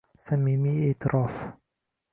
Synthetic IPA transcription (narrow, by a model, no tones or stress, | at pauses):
samːimiit̪ɾɔf